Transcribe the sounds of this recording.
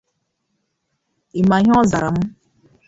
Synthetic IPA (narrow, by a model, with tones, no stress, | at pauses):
i˨ma˨ɦɔ˦za˨ɾa˨m̩˦